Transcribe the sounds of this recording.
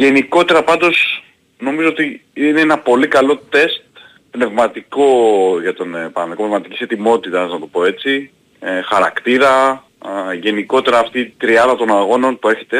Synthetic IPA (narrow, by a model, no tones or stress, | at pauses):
ʝe̞niko̞t̪e̞ɾɐpɐnd̪o̞s | no̞mizo̞ot̪iineenɐpo̞likɐlo̞t̪e̞st̪ | pne̞vmɐt̪iko̞ʝɐt̪onpɐɐnikopnevmɐt̪icise̞t̪imo̞t̪it̪ɐznɐt̪o̞po̞e̞t͡si | xɐɾɐkt̪iɾɐ | ʝe̞niko̞t̪e̞ɾɐːft̪iːt̪ɾiɐðɐt̪o̞nɐɣo̞no̞npue̞çe̞̥t̪e̞